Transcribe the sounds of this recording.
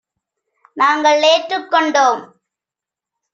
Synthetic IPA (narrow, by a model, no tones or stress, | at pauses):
naːŋɡɐɭːeːʈrɯkːɔɳɖoːm